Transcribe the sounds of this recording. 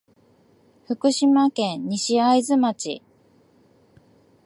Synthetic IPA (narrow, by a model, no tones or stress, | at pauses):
ɸɯ̟kɯ̟ɕimakẽ̞ɲɲiɕiaizɨmat͡ɕḭ